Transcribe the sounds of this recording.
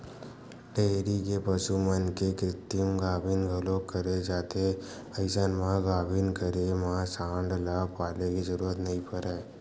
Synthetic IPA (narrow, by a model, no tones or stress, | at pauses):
ʈeɾikepəʃumənkekɾɪt̪jumɡabʱinɡʱəlokəɾed͡ʒat̪ʰe | əjsanmãɡabʱinkəɾemãsaɳɖlakpalekid͡ʒəɾuɾət̪nəɦĩpəɾaj